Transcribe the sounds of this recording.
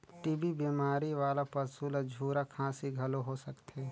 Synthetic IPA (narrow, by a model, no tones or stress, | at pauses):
ʈiːbibiːmaːɾiʋaːlapɐɾsuːlad͡ʒʱuːɾakʰãːsiɡʱɐloɦosɐkt̪eː